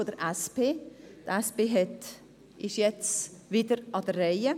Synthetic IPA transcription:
od̪əɾʔæspeːt̪ɛspeːɦɛt | ʔɪʃjɛt͡sviːdəɾɑdərːɛɪə

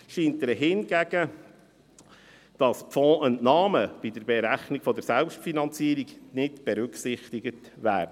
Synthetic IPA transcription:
ʃiːnt̚dəɦɪnɡæɡ̥ə | d̥ɑspfɔ̃ːʔənnɑːməb̥idəɾbɛɾæχniɡfɔdəɾsɛlpʃtfinɑnt͡siːəɾiɡnɪtb̥ɛɾʉksɪχt̪iɡət | ʋæ̰ːɾdə

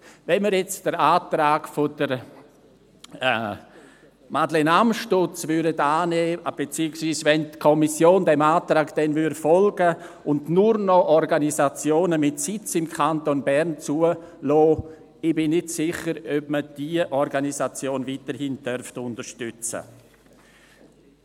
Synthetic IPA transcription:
vɛnməɾjɛt͡sd̥əɾaːtɾaːɡfod̥əɾ | madlenamʃtʊt͡svʏɾdətaːneːb̥et͡siːəksviːsvɛntkʰɔmisjoːndɛmaːtɾaːkd̥ɛnvyɾfɔlɡ̥ə | ʊndnʊɾnɔʔɔɾɡanizat͡sjoːnəmɪtsɪt͡sɪmkʰantonbɛɾnt͡suəlɔː | ɪbɪnːɪdsɪχəɾœbməd̥iəʔɔɾɡanisat͡sjoːnviːtəɾhɪndœrftʊntəʃtʏt͡sə̰

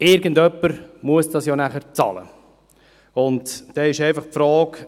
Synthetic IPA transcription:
ɪɾɡəndœpːəɾmuəsd̥ɑsjɔnæχəɾt͡sɑ̰lə̰ | ʊntd̥ɛːɪʃɛɪfɑχpfɾɔːk

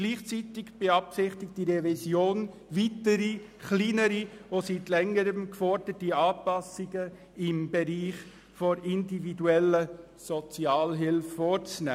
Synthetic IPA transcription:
ɡ̥liːχt͡siːtɪɡb̥eɑpsɪχtɪk̚td̥iɾɛvisjoːn | vitəɾiχliːnəɾiositlɛŋəɾəmkfɔɾdətiɑːpɑsɪɡə | ɪmbeɾiːχ | fɔɾɪndividuɛlə | sɔt͡sjɑːlɦɪlffoːɾt͡snæ̰ː

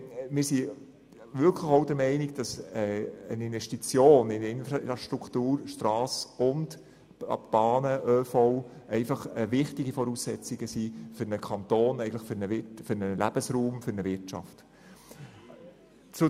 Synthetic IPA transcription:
mɪːsi | ʋʏlkʰləχoʊdəɾmɛɪnɪɡd̥ɑsɛənɪnvɛʃtit͡sjoːnɪnɪnfɾɑɑʃtɾukʰtuːɾʃtrɑːsʊnd | ɑ̰b̥ɑːnəʔøːfɔʊ | ɛɪfɑχəʋɪχtɪɡifɔɾuːsːɛt͡sɪɡəsifʏɾnəkʰɑnt̪oːnɛɪɡətləχfʏɾnəʋɪtfʏɾnəlʔæ̰b̥əsɾuːmfʏɾnəʋɪtt͡ʃɑ̰ft | t͡sʊ

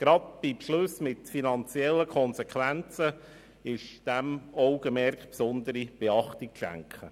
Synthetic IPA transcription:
ɡ̥ɾɑdb̥ipʃlʊsmɪtfinɑnt͡siɛlːəkʰɔnsekʰʋænt͡sə | ɪʃd̥æmɔʊɡ̥əmɛɾkpsʊnd̪əɾib̥eɑχtik̚ʃæ̰ŋkχə

